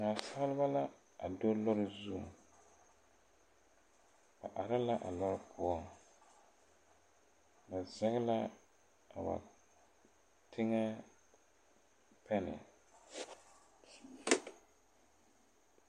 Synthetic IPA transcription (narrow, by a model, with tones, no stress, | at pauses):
ŋa˨sa˦lɪ˦ba˦la˦ | a˨do˦lɔ˦ɾɪ˦˨zu˦˨ | ba̰˨ʔa˨ɾa˦la˦ʔa̰˨lɔ˦ɾɪ˦pʰʊ˦ɔ˦ | na˨zɛ˦ɣɪ˦la˦ | a˨ba̰˨ | tʰɪ˦ŋɛ˦ | pɛ˦nɪ̰˨